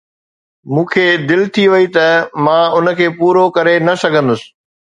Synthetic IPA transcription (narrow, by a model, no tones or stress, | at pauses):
mũːkʰeːd̪ɪlt̪ʰiʋɐit̪ɐmãːʊnəkʰeːpuːɾokɐɾenɐsɐɡʱə̃nd̪ʊsɪ̥̆